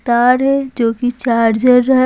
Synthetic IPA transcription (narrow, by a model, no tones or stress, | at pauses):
t̪aːɾɦɛd͡ʒoːkit͡ʃaːɾd͡ʒəɾəɦ